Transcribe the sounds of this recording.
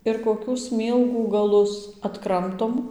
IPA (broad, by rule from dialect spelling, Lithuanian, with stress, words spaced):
ɪr koːˈkʲuː ˈsʲmʲiːlˠɡuː ɡɐˈlˠʊs ɐtˈkrɐmtoːm